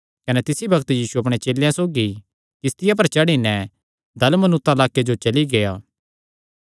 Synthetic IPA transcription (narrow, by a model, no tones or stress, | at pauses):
kɐnɛt̪ɪsibɐkt̪jiːsuɐpɽ̃et͡ʃeːlejãsoːɡi | kɪst̪ɪjap̬ɐɾt͡ʃɐɽinɛ̃ | d̪ɐlmənʊt̪ːalaːked͡ʒot͡ʃɐliɡejaː